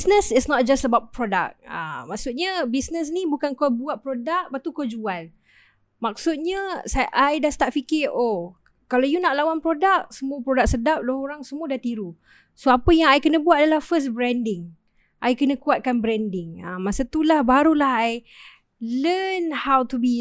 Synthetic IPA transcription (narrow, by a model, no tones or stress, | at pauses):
snəsɪtsnɔt̪̚d͡ʒastəbawt̪̚pɾɔda̰k̚ə̰mak̚sut̪̚ɲabisnəs̬nĩbukankobuat̪̚pɾodak̚bat̪ukod͡ʒuan | mak̚sut̪̚ɲəsaʔajdast̪aʔ̚fikɪʔo | kalawjunaʔlawanpɾodak̚səmuəpɾɔdak̚sədap̚lohoɾaŋsəmuadat̪iɾu | soapəjaŋajkənəbuat̪̚adalahfəsbɾɛndɪŋ | ʔajkənə̃kuat̪̚kanbɾɛndɪŋəmasət̪ulahbaɾulahaj | lənhawt̪ubi